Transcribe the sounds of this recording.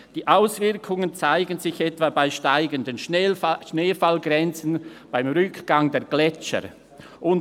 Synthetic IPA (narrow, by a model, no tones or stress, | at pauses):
d̥iːʔaʊsv̥ɪɐkʰʊŋənt͡saɪɡənzɪçɛtv̥abaɪʃtaɪɡəndənʃneːfalɡʁɛnt͡sn̩b̥aɪmʁʏkɡ̥aŋdeːɐɡ̥lɛt͡ʃə̰ɾ | ʔʊn